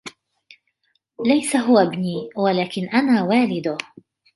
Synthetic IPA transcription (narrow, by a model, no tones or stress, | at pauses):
lajsaɦʊwabniːwalaːkɪnʔanaːwaːlɪd̪ʊ